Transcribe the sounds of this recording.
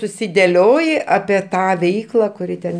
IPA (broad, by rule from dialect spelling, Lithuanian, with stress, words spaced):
sʊsʲɪdʲɛˈlʲoːjɪ ɐpʲiɛ ˈtɑː ˈʋʲɛɪklˠɐ kʊˈrʲɪ tʲɛn